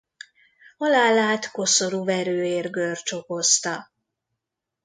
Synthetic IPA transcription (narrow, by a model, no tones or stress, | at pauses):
ɒlaːlaːt̪ko̞soɾuvɛɾøːeːrɡørt͡ʃo̞ko̞st̪ɒ